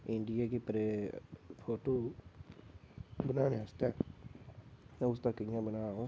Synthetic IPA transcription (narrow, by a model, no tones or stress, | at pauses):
ɪɳɖɪjaːkipəɾeːpʰoːʈoː | bənaːnẽəst̪ɛː | mɛ̃ːʊst̪akəɪjãːbənaːõː